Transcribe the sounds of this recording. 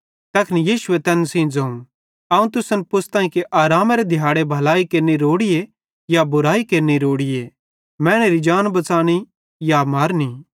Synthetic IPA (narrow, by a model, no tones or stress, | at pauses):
t̪ɐkʰnijiːʃʊet̪ɛːnsĩd͡zɐũ | ɐũt̪ʊsənpʊst̪ãːĩkeʔaːɾaːmɐɾed̪ʱjaːɽebʱɐlaːikeːɾniɾoːɽije | jabʊɾaːikeːɾniɾoːɽɪje | mɛ̃ːɽ̃eɾid͡ʒaːnbɐt͡saːɽ̃i | jamaːɾni